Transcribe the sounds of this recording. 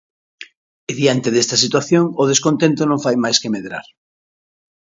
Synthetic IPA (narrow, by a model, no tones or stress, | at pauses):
eðjant̪eðest̪ɐsit̪waθjoŋʊð̞eskont̪ẽnt̪onõɱfajmajskemeðɾa̰ɾ